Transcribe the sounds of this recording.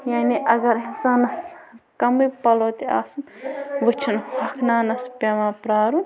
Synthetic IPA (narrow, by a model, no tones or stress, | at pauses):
jaːniʔɐɡɐɾinsaːnɐskɐmɨjpɐloːt̪ia̰ːsɨnʋɨt͡ʃʰinhɐkʰnaːnɐspʲemãːpɾaːɾũ